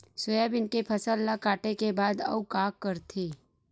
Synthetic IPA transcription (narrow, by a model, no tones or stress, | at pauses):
sʊjaːbɪnkepʰəsəlːakaːʈekebaːd̪ɐ̰ukaːkːəɾt̪ʰeː